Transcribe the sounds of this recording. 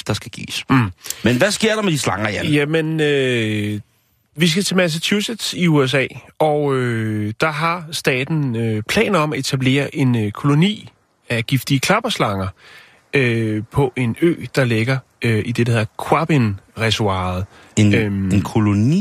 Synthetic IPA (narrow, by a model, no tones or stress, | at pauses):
d̥ɑ̈sɡ̥æɡ̥ḭːsmenʋæsɡ̥eɐ̰d̥ɑ̈med̥islɑ̈ŋɐjæjæmenø | ʋis̬ɡ̥æt͡sʰɛmæs̬ət͡sʰused̥siues̬ɛ̰ːɒʊød̥ɑ̈ɦɑ̈sd̥ɛ̰ːd̥n̩øpʰlɛ̰ːnɒ̽mæe̝t͡sʰæb̥le̝̰ːɐʔe̝nkʰo̝lo̝nḭː | æɡ̥ifd̥iəkʰlɑ̈b̥ɐslɑ̈ŋɐ | øpʰɒ̽ʔe̝nø̰ːd̥ɑ̈leɡ̥ɐøid̥e̝dæhe̝ðˠɐkʰwɑb̥enʁɛsuɑ̈ð̩ˠ | enkʰo̝loni